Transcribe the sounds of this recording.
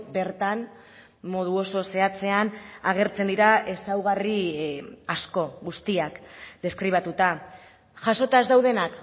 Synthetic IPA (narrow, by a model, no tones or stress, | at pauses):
be̞ɾt̪an | mo̞ð̞uo̞so̞se̞at͡se̞anaɣ̞e̞ɾt͡se̞nd̪iɾae̞sawɣ̞ari | asko̞ɣust̪iakd̪e̞skɾiβ̞at̪ut̪a | ʝaso̞t̪azd̪awð̞e̞nak